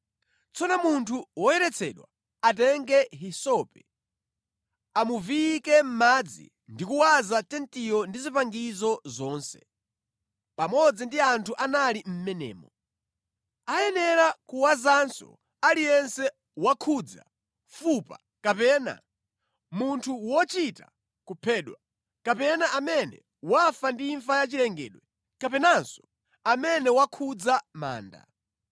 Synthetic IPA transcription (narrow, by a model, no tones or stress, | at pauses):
t͡sɔnɔmuntʰuwɔjɛɾɛt͡sʰɛɗwa̰ | atɛŋɡɛɦisɔpɛ | amuvikɛm̩mad͡zḭ | ndikuwazatɛntijɔndizipaŋɡizɔzɔːnsɛ̰ | pamɔd͡zindiantʰuʔanalim̩mɛnɛ̰ːmɔ | ajɛnɛɾakuwazansɔ̰ | alijɛnsɛ | wakʰud͡za̰ | fupa̰ | kapɛːna̰ | muntʰuwɔt͡ʃita | kupʰɛɗwa | kapɛnaʔamɛnɛ̰ | wafandiːɱfajat͡ʃilɛŋɡɛːɗwɛ | kapɛnansɔ̥ | amɛnɛwakʰud͡zama̰ːnda̰